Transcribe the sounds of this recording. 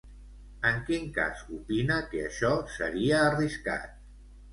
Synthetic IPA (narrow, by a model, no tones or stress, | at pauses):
əŋkiŋka̰zupinəkəəʃɔsəɾiəːriska̰t̪̚